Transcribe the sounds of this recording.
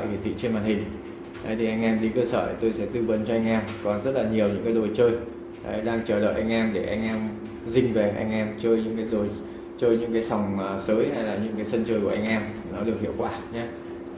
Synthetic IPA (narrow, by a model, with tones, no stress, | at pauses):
a̰ː˧˨jki˨˩t̪ʰḭ˧˨t͡ɕi˧nmaː˨˩nhï˨˩ŋ̟ | ʔə˨˦jt̪ʰi˨˩ʔa˧jŋ̟ʔɛ˧mɗi˧kəː˧sə̰ː˧˩t̪o˧jsɛ̰˧˥t̪ɨ˧və˨˦nt͡ɕɔ˧ʔa˧jŋ̟ʔɛː˧mkɔ˨˩nzə˦˥t̚laː˨˩ɲi˨˩əwɲɨ̰˧˥ŋkaː˨˦jɗo˨˩jt͡ɕəː˧j | ʔə̰˨˦ɗaː˧ŋt͡ɕəː˨˩ɗə̰ː˧˨jʔa˧jŋ̟ʔɛː˧mɗe˧˩ʔa˧jŋ̟ʔɛː˧m | zï˧˩ŋ̟ve˨˩ʔa̰˧jŋ̟ʔɛː˧mt͡ɕəː˧jɲɨ̰˧˥ŋkaː˨˦jɗo˨˩j | t͡ɕəː˧jɲɨ̰˧˥ŋkaː˨˦jsa˨˩wŋ͡msəː˨˦jha˧jlaː˨˩ɲɨ̰˧˥ŋkaː˨˦jsə˧nt͡ɕəː˧jkʔa˧jŋ̟ʔɛː˧m | nɔ˨˦ɗɨ˨˩k̚hḭ˧˨əwkwaː˧˩ɲaː˨˦